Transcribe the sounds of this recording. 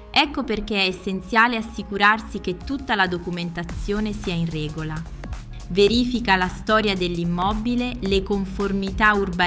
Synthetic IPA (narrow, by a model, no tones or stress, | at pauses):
ɛkːoperk̟eɛesːent̪sjaːleasːikuɾarsik̟et̪ːut̪ːalad̪okument̪at̪sːjoːnesiːainrɛːɡola | veɾiːfikalast̪ɔːɾjad̪elːimːɔbilelekoɱformit̪aurba